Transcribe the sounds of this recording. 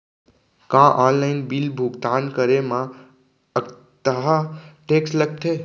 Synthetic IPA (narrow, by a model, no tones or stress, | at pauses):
kãʔɔːnlaɪnbilbʱuɡt̪aːnkəɾemã | ə | t̪əɦaʈeːksləɡ̚t̪ʰe